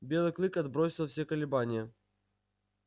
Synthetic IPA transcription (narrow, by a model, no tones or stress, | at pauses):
bʲe̞lˠɨklˠɨkɐd̪bɾosʲɪlˠfsʲekəlʲɪbanʲɪjə